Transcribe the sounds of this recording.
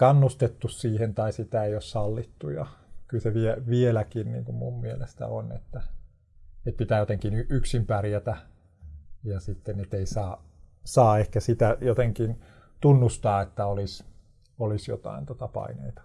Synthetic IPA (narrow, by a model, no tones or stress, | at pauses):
kɑnːust̪et̪ːussiːhent̪ɑisit̪æeiossɑlːit̪ːujɑ̰kylseʋieʋielækinnḭːŋkummummielest̪æ̰o̰nḛt̪ːæ | et̪̚pit̪æːjot̪eŋkinyʔyksimpærjæt̪æ | jɑsit̪ːenet̪eisɑːsɑːehkæsit̪æjot̪eŋkin | t̪unːust̪ɑːet̪ːæolis | olisjo̰t̪ɑ̰int̪ot̪ɑpɑ̰inḛit̪ɑ̥